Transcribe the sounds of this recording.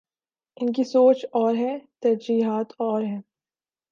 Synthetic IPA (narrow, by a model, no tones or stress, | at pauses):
ɪnk̬isoːt͡ʃɔːɾɦɛːt̪ɐɾd͡ʒiːɦaːt̪ɔːɾɦɛː